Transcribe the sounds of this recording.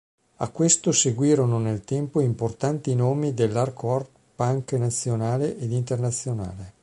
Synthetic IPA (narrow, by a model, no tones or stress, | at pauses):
a̰kːwest̪oseɡwiːɾononelt̪ɛmpoimport̪ant̪inoːmid̪elːarkɔr | paŋknat̪sːjonaːleʔed̪int̪ernat̪sːjona̰ːle